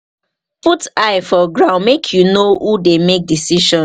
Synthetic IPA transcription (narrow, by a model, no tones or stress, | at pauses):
putaɪfɔɡɹãʊ̃nmekʰjunohudemek̚disiʃɔ̃